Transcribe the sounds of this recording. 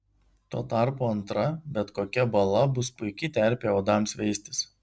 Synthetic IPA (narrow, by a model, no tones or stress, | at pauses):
t̪oːt̪ɑˑɾpoːɐnt̪ɾɐbʲɛt̪koːkʲɛbɐlˠɐbʊspʊɪkʲɪt̪ʲɛɾʲpʲeːoːd̪ɑˑmsʋʲɛɪsʲt̪ʲɪs